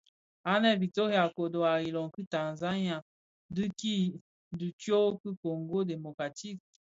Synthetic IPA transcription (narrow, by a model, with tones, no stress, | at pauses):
a˦nɛ˦˨bi˨to˦hja˨ko˨do˨a˨i˨lɔ˨ŋki˦ta˨nza˦nja˨ | dɨ˦ki˦ | du˨tjo˦kɨ˦ko˨ŋɡo˦de˨mo˨ka˨ti˦k̚